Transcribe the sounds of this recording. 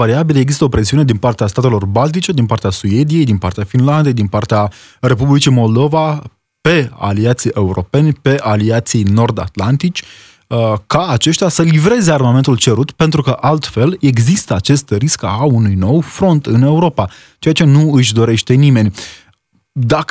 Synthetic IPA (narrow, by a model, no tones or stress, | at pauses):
vaɾiabileɡzist̪əo̞pɾe̞siune̞d̪inpart̪east̪at̪e̞lo̞rbalt̪̬it͡ʃe̞d̪inpart̪easuje̞d̪ije̞jd̪inpart̪eafinland̪e̞jd̪inpart̪ea | re̞publit͡ʃimo̞ld̪o̞va | pe̞a̰liat̪sijʔe̞uɾʔo̞pe̞nʲpe̞ʔaliat̪sijno̞rd̪a̰t̪lant̪it͡ʃʲ | kaːt͡ʃe̞ʃt̪easəlivɾe̞ze̞armame̞nt̪ult͡ʃe̞ɾut̪pe̞nt̪ɾukəʔalt̪fe̞le̞ɡzist̪əat͡ʃe̞st̪ɾiskaunujno̞wfɾo̞nt̪ɨne̞uɾo̞pa | t͡ʃe̞jat͡ʃe̞nuɨʃd̪o̞ɾe̞ʃt̪e̞nime̞nʲ | d̪ak